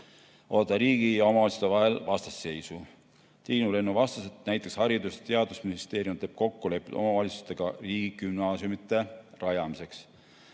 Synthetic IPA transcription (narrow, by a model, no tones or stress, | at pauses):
ʔo̞ːt̪ːˑɑɾiːɡ̥ijɑo̞mɑvɑlʲit̪su̥t̪eɑɦe̞lvɑst̪ɑ̥sːe̞jsu | t̪iːnule̞nːuvɑst̪ɑset̪næjt̪ːˑekshɑɾid̪ust̪e̞ɑd̪̥usminist̪e̞ːɾiumt̪e̞ːb̥ko̞kːule̞pːo̞̰mɑvɑlʲit̪su̥st̪e̞ɡ̥ɑriːɡ̥ikymnɑːsjumit̪ˑːe̞rɑjɑmise̞ks